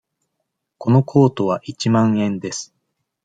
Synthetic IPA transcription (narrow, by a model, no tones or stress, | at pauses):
ko̞no̞kʰo̞ːt̪o̞β̞aʔit͡ɕimãɰ̃ẽ̞nd̪e̞sɨ̥